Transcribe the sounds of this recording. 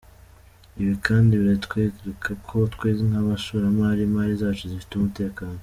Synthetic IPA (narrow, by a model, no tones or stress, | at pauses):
iβikʰaːndiβiɾatkweːɡɾekʰakʰo̞tkweːziŋaβaʃoɾamaːɾimaːɾizaːt͡ʃuzifi̥tumute̞ːkaːno